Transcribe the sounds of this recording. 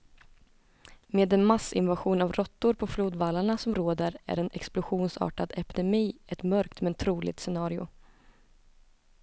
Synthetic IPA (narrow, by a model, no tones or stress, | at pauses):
meːd̪ɛnmasɪ̰nvaɧuːnavɾɔt̪ːʊɾpʰɔfluːd̪valaɳasɔmɾoːd̪əɾæ̰ɾɛnʔɛ̰ksplʊɧuːnsɑ̰ːʈad̪ɛpɪd̪ɛmiːɛt̪mœɾkt̪mɛnt̪ʰɾuːlɪ̰ɡt̪sɛnɑːɾɪʊ̰